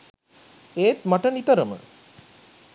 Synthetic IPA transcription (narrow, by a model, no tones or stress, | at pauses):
eːt̪maʈənit̪əɾəmə̰